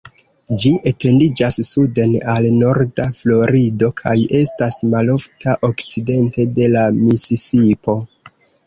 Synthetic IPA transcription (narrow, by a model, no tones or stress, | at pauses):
d͡ʒiʔe̞te̞ndid͡ʒasːude̞nalno̞ɾdaflo̞ɾido̞kʰaje̞stasmalo̞ftʰaʔo̞kt͡side̞nte̞de̞lamisisipo̞